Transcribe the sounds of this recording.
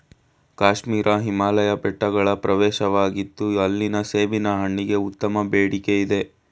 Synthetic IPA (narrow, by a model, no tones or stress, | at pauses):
kaːʃmiːɾʔɐɦimaːlɐjɐpɛʈːɐɡɐɭɐpɾɐʋɛːʃɐʋaːɡit̪ːuɐlːinɐseːʋinɐɦɐɳːiɡe̞ut̪ːɐmɐbeːɽike̞id̪e̞